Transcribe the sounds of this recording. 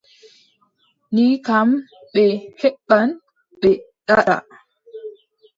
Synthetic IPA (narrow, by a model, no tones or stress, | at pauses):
nikamɓɛhɛɓːan | ɓɛɗaɗa̰